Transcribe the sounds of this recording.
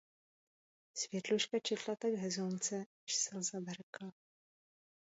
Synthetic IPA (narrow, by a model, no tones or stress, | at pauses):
svjɛt̪luʃkat͡ʃɛt̪lat̪aɡɦɛzont͡sɛ | ʃsɛlzabɛɾkla